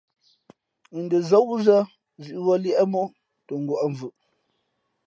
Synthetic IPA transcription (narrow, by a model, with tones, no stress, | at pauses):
ndə˨zə˦wu˦zə˦ | zʉ˨ʔwɔ˦ljɛ˦ʔmo˦ | to˨ŋɡwɔ˨ʔɱ˨vʉ˨ʔ